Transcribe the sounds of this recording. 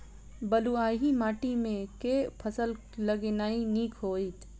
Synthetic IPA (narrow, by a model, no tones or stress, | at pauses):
bɐluaːɦimaːʈimẽkepʰɐsəl | lɐɡenaːiniːkʰoːit̪